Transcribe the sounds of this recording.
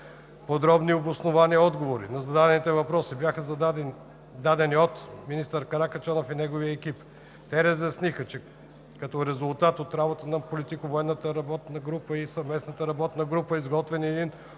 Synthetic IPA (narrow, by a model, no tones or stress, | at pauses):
pod̪ɾɔbniobosnovaniəɔd̪ɡovoɾḭnɐzɐd̪ad̪ɛnit̪ɛvɐpɾɔsibjaxəz | d̪ad̪ɛniot̪minist̪əɾkɐɾakɐt͡ʃanofinɛɡovijəɛk̟ip | t̪ɛɾəzjɐsnixət͡ʃɛ | kɐt̪ɔɾɛzʊlˠt̪at̪ot̪ɾabot̪ənɐpolit̪ikəvoɛnːət̪əɾɐbɔt̪nəɡɾupəisɐvmɛsnət̪əɾɐbɔt̪nɐɡɾupəizɡɔt̪vɛniɛd̪in